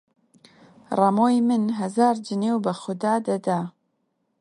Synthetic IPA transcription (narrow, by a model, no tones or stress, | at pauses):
rɑmoːjmɨnɦɛzɑːɾd͡ʒɨneːwbɨxʊd̪aːd̪ɐd̪aː